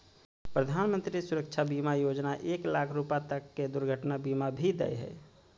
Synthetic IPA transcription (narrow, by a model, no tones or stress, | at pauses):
pɾəd̪ʱaːnmənt̪ɾisuɾəkt͡ʃʰabimajod͡ʒnaʔeːklakʰɾupat̪əkːed̪ʊɾɡʱəʈnabimabʱid̪ɛ̰jɦɛ̰ː